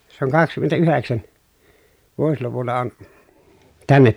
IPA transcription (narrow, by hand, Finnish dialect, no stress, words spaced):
se oŋ kɑkskymːentæyheksæn ʋuosluʋulːɑ on tænːet